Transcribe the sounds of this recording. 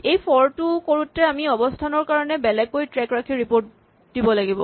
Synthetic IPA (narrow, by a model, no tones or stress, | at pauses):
ejpʰɔɹtukoɹutːɛamiɔbɔstʰanɔɹkaɹɔnɛbɛlɛɡːojtɹɛkɹakʰiɹipoɹt | dibɔlaɡibɔ